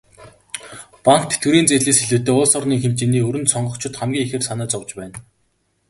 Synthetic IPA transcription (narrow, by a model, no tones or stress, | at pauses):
paŋkt̪ʰe̥t̪ɡɘ̆ɾiːnt͡seːɮeːsxeɮŭːt̪ːeːʊɮsɔrniːxemt͡ɕĕniːɵɾɘ̆nt̪sɔɴɢɞ̆kt͡ɕʰɪ̆t̪χæmɡʲiːŋexĕːrsanæːt͡sɔwt͡ɕpæːn